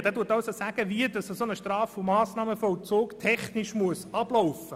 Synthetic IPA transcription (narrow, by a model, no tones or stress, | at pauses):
d̥ɛːduːətːɑʊsosæɡ̥əʋiədɑsəsonəʃtɾɑːfomɑːsnɑːməfɔlt͡soːktʰɛχnɪʃmuəsɑb̥lɔʊfə